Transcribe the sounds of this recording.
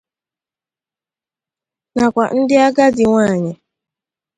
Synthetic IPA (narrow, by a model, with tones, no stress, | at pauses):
na˨kʷa˨n̩˦dɪ˦a˦ɡa˦dɪ˨ŋʷaː˦˨ɲɪ˨